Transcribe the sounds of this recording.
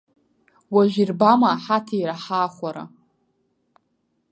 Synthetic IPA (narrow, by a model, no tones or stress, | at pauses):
waʒirbamaːħatʰaiɾaħaːχʷaɾa̰